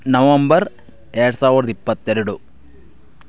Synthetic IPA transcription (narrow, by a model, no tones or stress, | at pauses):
nɐʋɐmbɐɾ | ɛɾɐɽɐsaːʋiɾɐd̪ɐipːɐt̪ːɛɾɐɽu